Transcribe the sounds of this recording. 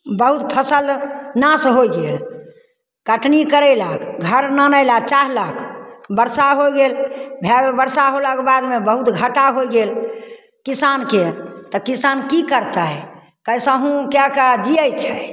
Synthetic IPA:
bəɦut̪pʰəsəlnasɦojɡel | kəʈnikəɾəɪlakɡʱəɾnanəɪlat͡ʃaɦlakʰbəɾsaɦojɡelbʱabəɾsaɦolakebad̪mebəɦut̪ɡʱəʈaɦojɡel | kisanket̪ɔkisankikəɾt̪aɛ | kəjsə̃ɦũkjakəd͡ʒiəjt͡ʃʰɛ

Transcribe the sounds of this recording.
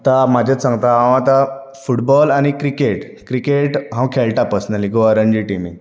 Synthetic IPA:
t̪amad͡ʑʱasãŋɡt̪aãwat̪a | fuʈbɔlañikɾikeʈ | kɾikeʈɦãwkʰeɭʈapəsnalikoəɾəɲd͡ʑiʈimi

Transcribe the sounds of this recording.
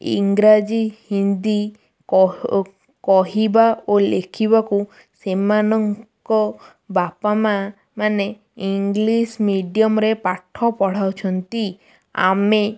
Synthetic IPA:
ḭŋɡɾad͡ʒihind̪i | ɔ | kɔɦibaolekʰiβaku | semanɔŋkɔ | bapama | mane | iŋɡlismiɖijɔmɾepaʈʰːɔpɔɽ̤awt͡ʃʰɔnt̪i | a̰me

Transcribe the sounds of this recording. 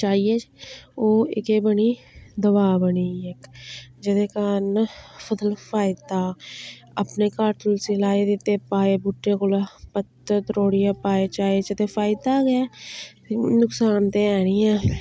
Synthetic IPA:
t͡ʃaːiet͡ʃoːɪkeːbəniːd̪əβaːbəniːekd͡ʒɪd̪eːkanpʰəd̪əlpʰaːɪd̪aː | əpneːkaːɾʈəlsiːlaːeːd̪ɪt̪ːeːpaːeːbʊʈːeːkʊlaːpət̪ət̪ɾoːɽijaːpaːeːt͡ʃaːeːt͡ʃət̪eːpʰaːɪd̪aːɡɪaː | nʊksaːnt̪eːɛːɽ̃ĩːɛ̃ː

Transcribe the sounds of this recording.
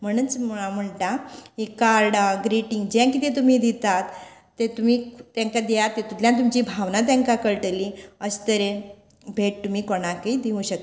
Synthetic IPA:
m̤əɽ̃unt͡sm̤əɳʈaɦikaɾɖɡɾiʈiŋɡd͡ʑãk̬it̪et̪̬um̤iːd̪it̪at̪ː | et̪um̤iːt̪jãŋkad̪ijat̪ːet̪ut̪ljãt̪̬umt͡ɕibʱaʋnat̪jãŋkakəɭʈəliəst̪əɾe | bʱeʈ̚t̪um̤iːkoɽ̃akid̪iũɕək̪

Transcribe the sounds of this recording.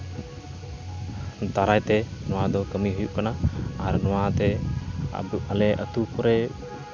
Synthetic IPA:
t̪aɾajt̪ɛnɔad̪ɔkəmiɦujuʔkanaːɾnɔwat̪ɛa̰buʔalɛʔə̰t̪ukɔɾɛ

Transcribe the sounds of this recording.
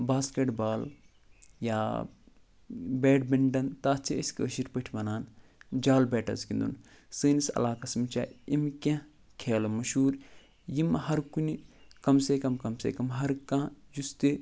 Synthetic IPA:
baːskeʈbaːl | ja̰ː | beːɖbiɳɖɐnt̪aːt͡sʰiəskəːʃiɾpəʈʰiʋɐnaːnd͡ʒaːlbeːʈɐ̰zkind̪ṵn | sɨːnisɐ̰laːkɐsmit͡ʃa̰ːimkʲẽ | kʰeːlɐmɐʃuːɾ | jimhɐɾkunikɐmseːkɐmkɐmsḛːkɐmɦɐɾkãːjust̪i

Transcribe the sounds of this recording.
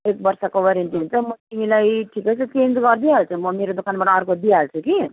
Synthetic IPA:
ek̚bʌɾsakoʋʌɾent̪int͡sʰʌmʌt̪imilajʈʰikʌt͡sʰut͡send͡zɡʌɾd̪ialt͡sʰumʌmeɾod̪ukʰanbaʈːɾkod̪ialt͡sʰuki

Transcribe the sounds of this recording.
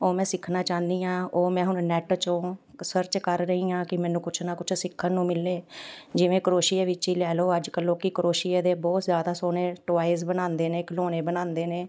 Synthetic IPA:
oːmɛ̃ːsɪkʰnaːt͡ʃãːnd̪iːãːoːmɛ̃ːɦʊnnɛːʈt͡ʃõːsəɾt͡ʃkəɾɾəɦiːãːkɪmɛ̃ːnũːkʊt͡ʃʰnaːkʊt͡ʃʰsɪkʰːənnũːmɪlːeːd͡ʒɪʋẽːkəɾoːʃɪeːʋɪt͡ʃiːlɛːloːəd͡ʒkəlːoːkɪkɾoːʃijeːd̪eːbɔːt̪zjaːd̪aːsoːneːʈʋaːisbənãːnd̪eːneːkəloːneːbənãːnd̪eːneː

